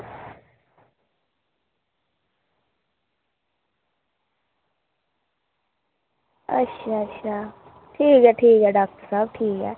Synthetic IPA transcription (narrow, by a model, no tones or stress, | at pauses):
ə̰tːʃʰaətːʃʰa | ʈʰiːkɦɛʈʰiːkɦɛɖaːk̚ʈəɾsəb̚ʈʰiːkɦɛ̰ː